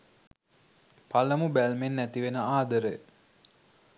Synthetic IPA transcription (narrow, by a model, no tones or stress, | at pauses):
paləmubælmenːæt̪iʋenəaːd̪əɾəj